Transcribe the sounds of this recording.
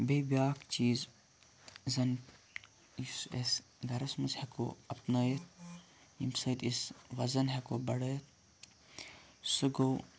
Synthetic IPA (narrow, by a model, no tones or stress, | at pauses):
beːbʲjaːkt͡ʃiːz | zɐn | ises | ɡɐɾɐsmɐsheko̰ːɐpnɐjt̪̚ | imsɐːt̪isʋɐzɐnɦekoːbɐɽət̪̚ | sɨɡow